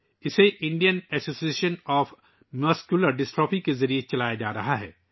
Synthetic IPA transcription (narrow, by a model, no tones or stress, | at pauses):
ɪseʔɪ̃ɳɖijənɛsoːsieːʃənɔːf | mɐskjuləɾɖɪsʈɔːpĩkezɐɾiet͡ʃɐlaːjad͡ʒaːɾɐɦaɦɛ̰ː